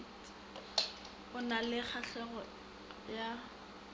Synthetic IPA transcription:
ʊnalɪχaɬɛɣɔ | ja

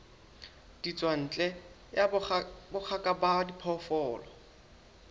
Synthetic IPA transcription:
d̥it͡sʼwan̩ːt͡ɬʼɛ | jabʊk͡xʰakʼabadipʰɔfɔːlɔ

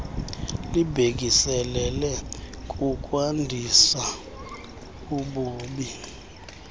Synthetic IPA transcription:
libʱek̬isɛlɛlɛkʼuk̬ʼwandʱisa | uɓuːɓi

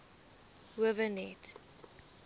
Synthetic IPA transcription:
wəvənɛt

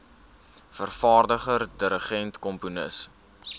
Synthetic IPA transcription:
fərfɑːrdəχərdəɾəχɛntkɔmpunə̰s

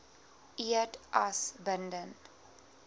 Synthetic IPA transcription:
iətʔasbəndən

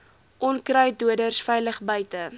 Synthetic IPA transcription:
ʔɔnkrœjduədərsfɛjləχbəjtə

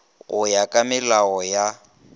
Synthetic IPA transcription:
ɣʊjakʼamɪlaɔja

